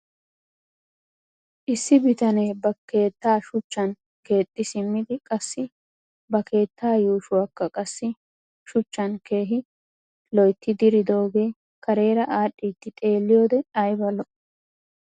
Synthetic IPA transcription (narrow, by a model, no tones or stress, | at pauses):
ʔɪsːɪbɪt̪ɐneːbɐke̞ːt̪ːaːʃʊt͡ʃːɐn | ke̞ːt̪ʼːɪsɪmːɪd̪ɪkʼɐsːɪ | bɐkʰe̞ːt̪ːaːjuːʃʊwɐkːɐkʼɐsːɪ | ʃʊt͡ʃːɐnke̞ːɦɪ | lɔjt̪ːɪd̪ɪɾɪd̪o̞ːɡe̞ː | kɐɾe̞ːɾɐʔaːɗʼːiːt̪ːɪt̪ʼe̞ːlːɪjo̞ːd̪ɛɐjbɐlɔʔ